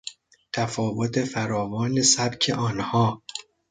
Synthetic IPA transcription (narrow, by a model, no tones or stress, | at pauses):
t̪ʰæfɒːvot̪ʰefæɾɒːvɒːnesæbcʰeʔɒːnhɒː